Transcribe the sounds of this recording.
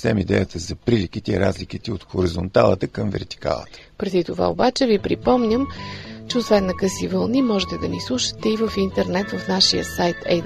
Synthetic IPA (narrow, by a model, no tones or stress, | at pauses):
sɛmid̪ɛjət̪ʰəzɐpɾilik̟it̪ɛiɾa̰zlik̟it̪ɛot̪xoɾizont̪alˠə̰t̪əkəmvɛ̰ɾt̪i̥ka̰lˠə̰t̪ə̥ | pɾɛd̪it̪ova̰o̰bat͡ʃɛvipɾipɔmnʲəmt͡ʃɛosvɛnːɐkəsivəlˠnimɔʒɛt̪ɛd̪ɐnislˠuʃə̥t̪ɛivəfint̪ɛɾnɛt̪vəfnaʃijə̰sajt̪ʰɛ̰